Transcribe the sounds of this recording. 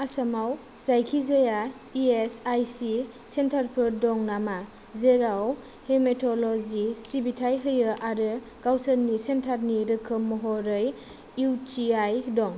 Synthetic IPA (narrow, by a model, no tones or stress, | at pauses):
asamaw | zajkʰizaja | iesajsi | sentʰaɾpʰɯdɔŋnama | zeɾaw | hemetʰɔlɔzisibitʰajɦɯjɯʔaɾɯ | ɡawsəlnisentʰaɾniɾɯkʰɯmːɔɦɔɾɯj | utiajdɔŋ